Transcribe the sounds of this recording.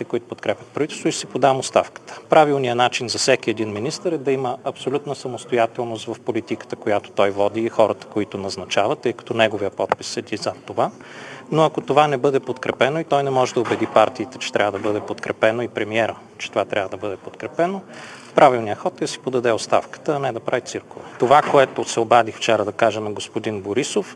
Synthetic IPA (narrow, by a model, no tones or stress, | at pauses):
it̪ɛkoit̪ʊ̥pot̪kɾɛpʲjɐt̪̚pɾɐvit̪ɛlˠst̪voʊisipod̪amost̪a̰fkə̥t̪ə̥pɾavilˠnijənat͡ʃinzɐfsɛkiɛd̪inminist̪əɾɛd̪ɐiməɐpsolʲut̪nəsɐmost̪ojat̪ɛlˠnost̪vɐfpolit̪ikə̥t̪əkojat̪o̥t̪ɔjvɔd̪iːxɔɾət̪ə̥koit̪ʊnɐznɐt͡ʃavət̪ːɤjkɐ̥t̪ɔnɛɡovijəpɔt̪̚pisːɛd̪izɐt̪ːova | noɐkot̪ovanɛbɤd̪ɛpot̪kɾɛpɛnoit̪ɔjnɛmɔʒɛd̪ɐobɛd̪ipaɾt̪iːt̪ɛt͡ʃɛ̥t̪ɾʲʔavəd̪ɐbɤd̪ɛpot̪kɾɛpɛnoipɾɛmiɛɾə | t͡ʃɛ̥t̪ovat̪ɾʲavəd̪ɐbɤd̪ɛpot̪kɾɛpɛno | pɾʔavilˠnijəxɔt̪d̪ɐsi̥pod̪ɐd̪ɛotst̪a̰fkə̥t̪əɐnɛd̪ɐpɾavit̪sɨɾkovɛt̪ovakoɛt̪osɛobad̪ixft͡ʃɛɾəd̪ɐkaʒənɐɡospod̪inboɾisof